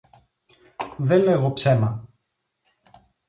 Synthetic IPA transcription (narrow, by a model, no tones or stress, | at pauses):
ðenle̞ɣo̞pse̞mɐ